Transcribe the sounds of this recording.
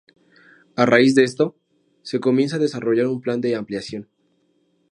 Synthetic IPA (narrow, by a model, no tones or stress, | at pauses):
araizðest̪o̞ | se̞ko̞mje̞nsaðe̞saro̞ʝaɾumpland̪e̞ampljasjo̞n